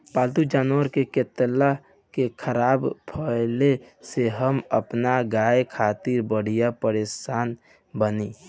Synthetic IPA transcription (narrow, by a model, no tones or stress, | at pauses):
paːlt̪ud͡ʒaːnwəɾkeket̪la | kekʰəɾaːbpʰəle | seɦəmə̰pnaɡaːekʰaːt̪iɾbəɽ̤ijapəɾeːsaːn | bəni